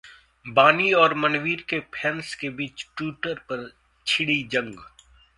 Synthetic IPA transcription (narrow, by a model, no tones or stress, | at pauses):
baːniɔːɾmɐnʋiːɾkepʰɛːnskebiːt͡ʃʈuːʈəɾpɐɾ | t͡ʃʰɪɽid͡ʒɐ̃ŋɡ